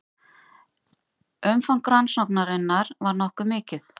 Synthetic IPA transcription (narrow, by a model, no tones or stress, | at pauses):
œmfawŋ̥kɾansɔknaɾɪnːaɾvaɾnɔhkʏɾmɪːcɪθ